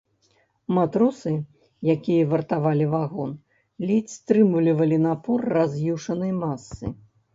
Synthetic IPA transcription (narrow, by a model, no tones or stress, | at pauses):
mat̪ɾusɨ | jakʲijɐvɐrt̪avalʲivaɣɔn | lʲit͡sʲst̪ɾɨmulʲivɐlʲinapɔrːazjiwʂɐnɨjmasːɨ̰